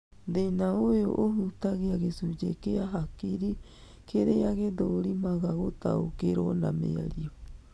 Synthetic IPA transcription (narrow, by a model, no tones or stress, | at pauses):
d̪enaoeo̰ʔoɦut̪aɣeaɣesud͡ʒekeaɦakiɾi | kʰeɾeaɣed̪oɾimaɣaɣot̪a̰o̰keɾona̰mḛa̰ɾio